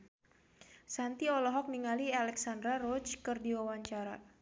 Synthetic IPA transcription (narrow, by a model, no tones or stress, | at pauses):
sant̪iɔlɔɦɔk̚niŋalialɛksandɾarɔt͡ʃkərdiwawaɲt͡ʃaɾa̰